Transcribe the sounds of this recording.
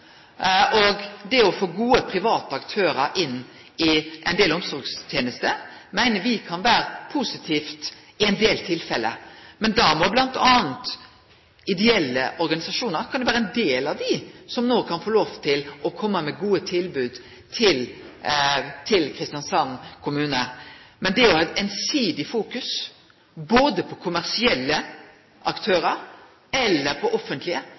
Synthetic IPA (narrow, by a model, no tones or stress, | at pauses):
ɔɡd̪ɛɔfoːɡuːəpʰɾɪʋɑːt̪ɑkt̪ʰøːɾəʔɪnː | ɪʔɛɪnd̪eːlɔmsɔɾɡst̪ʰjeːnəst̪ə | mæɪnəʋɪkʰɑnʋæːɾəpʰusɪt̪ʰiːft̪ | ɪɛɪnd̪eːlt̪ʰɪlfɛlə̰mɛnd̪ɑmɔblɑnt̪ʰɑːnt̪ | ɪd̪ɛɛlːəʔɔɾɡɑnɪsɑʂuːnəɾkʰɑnjʊʋæːɾəɛnd̪eːlɑʋd̪ɪsɔmnoːkʰɑnfoːloːʋt̪ʰɪlɔkʰɔmːəmɛɡuːət̪ʰɪlbʉːd̪ | t̪ʰɪl | t̪ʰɪlkʰɾɪst̪ɪjɑnsɑnkʰʊmʉːnəmɛnd̪ɛæɾɔɛt̪ɛnsiːd̪ɪfuːkʉs | boːd̪əpʰɔkʰʊmæɾsɪɛlːə | ʔɑkt̪ʰøːɾəɾ | ɛlːəɾpʰɔʔɔfːənt̪ʰlɪə